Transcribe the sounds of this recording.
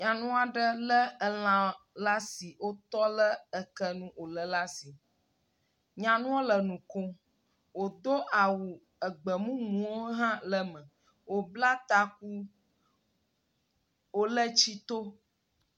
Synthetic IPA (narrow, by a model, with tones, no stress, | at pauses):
ɲã˨nũ˦a˨ɖə˦lə˦ə˨l̃ã˨la˦si˨wo˦t̪ɔ˦lə˦ə˨kə˦nũ˦o˨lə˨la˦si˨ | ɲã˨nũ˦wo˦lə˨nũ˨ko˦ | wo˨d̪o˦ʔa˨wu˨ | ə˨ɡ͡bə˨mũ˦mũ˨wo˦ɦã˦lə˦mə̃˨ | wo˨bla˦t̪a˦k̚u˦ | wo˦lə˦t͡ɕi˦t̪o˦